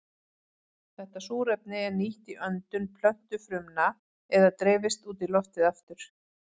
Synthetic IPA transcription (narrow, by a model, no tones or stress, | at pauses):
θɛht̪asuːɾɛpnɪɛɾniht̪iʔœnt̪ʏnpʰl̥œn̥t̪ʏfɾʏmna | ɛðat̪ɾeːvɪst̪uːt̪ilɔft̪ɪðaft̪ʏɾ̥